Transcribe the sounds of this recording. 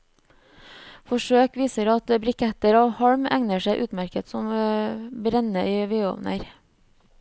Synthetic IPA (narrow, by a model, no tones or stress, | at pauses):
fɔʃøːkʋiːsəɾɑt̪bɾʏkʰɛt̪əɾoːhɑɹmæŋnəʃæɪʔʉːt̪mæɾkət̪sɔm | bɾɛnəʔiːʋeːo̰ːʋnʔə̰ɾ